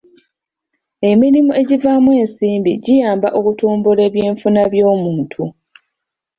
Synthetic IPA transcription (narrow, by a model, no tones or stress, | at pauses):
e̞miɾimue̞ɟivamwe̞ːnsiːmbiɟijaːmbaʔokutuːmbule̞βje̞ːɱfunaβjo̞ːmuːntʰu